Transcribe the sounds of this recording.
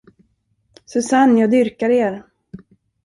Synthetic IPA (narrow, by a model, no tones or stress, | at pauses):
sɵsanjɑːd̪ʏɾkaɾeːɾ